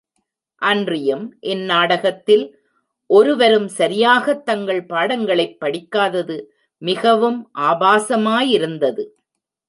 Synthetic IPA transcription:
ʔɐndrɪjɐmʔɛnːaːɽɐɣɐt̪ːɪl | ʔɔɾɯʋɐɾɯmsɐɾɪjaːɣɐt̪ːɐŋɡɐɭpaːɽɐŋɡɐɭɐɪpːɐɽɪkːaːðɐðɯ | mɪɣɐʋɯmʔaːbaːsɐmaːjɪɾɯnd̪ɐðɯ

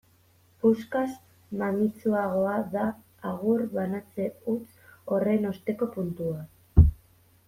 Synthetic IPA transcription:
puskas | manit͡suaɣ̞o̞aðaː | ɣurβanat͡se̞ut͡s | o̞re̞no̞st̪e̞ko̞punt̪ua

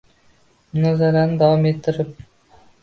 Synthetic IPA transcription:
mnɑzɑɾɑnəd̪awɑmet̪ːɪɾɪp̚

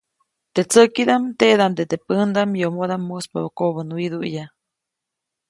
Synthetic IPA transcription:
t̪et͡səkid̪amt̪eʔd̪amd̪et̪epənd̪amjomod̪amːuspa̰βokoʔβənwid̪uʔja

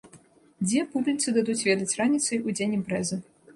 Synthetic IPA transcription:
d͡zʲɛpublʲit̪sɨd̪ad̪ut͡sʲvʲɛd̪ɐt͡sʲranʲit̪sɐjud͡zʲenʲimpɾɛzɨ

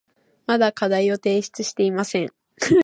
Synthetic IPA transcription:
mad̪akad̪aio̞t̪e̞ːɕi̥t͡sɨɕi̥t̪e̞imasẽ̞ŋ

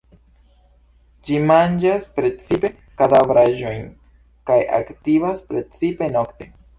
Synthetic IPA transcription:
d͡ʒimand͡ʒaspɾe̞t͡sipe̞ | kadavɾaʒo̞jn | kaja̰ktivaspɾe̞t͡sipe̞no̞kte̞

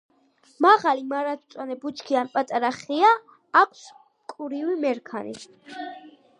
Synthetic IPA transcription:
maʁalimaɾat̪ʰt̪sʼwanɛbut͡ʃʰkʰianpʼat̪ʼaɾaχiaː | kʷʰs | kʼuɾiwimɛɾkʰanḭ

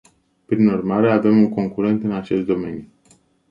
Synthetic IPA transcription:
pɾinurmaɾe̞ave̞muŋko̞ŋkuɾe̞nt̪ɨnat͡ʃe̞st̪̚d̪o̞me̞̰nju

